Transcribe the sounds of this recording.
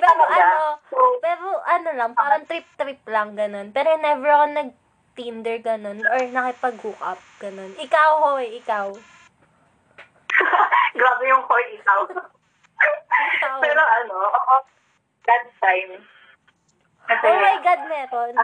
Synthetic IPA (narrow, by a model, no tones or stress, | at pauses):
pɛɾoʔɐopɛːɾoʔɐno̞lɐŋpaːɾoŋt̪ɾip̚t̪ɾip̚lɐŋɡɐno̞npɛːɾonɛvɛɹɐkonɐɡ̚ | t̪ind̪ɛɹɡɐno̞noɹnɐkɪpɐɡhuːkɐ̰p̚ɡ̥ɐno̞nʔɪkawhoɛʔɪkaw | ɡɾaːbɛjʊŋkojɪkaw | ɪkawpɛːɾoʔɐnoʔoʔo | ɡad̪̚t̪ajm | ʔɐʔowmajɡad̪̚mɛːɾo̞n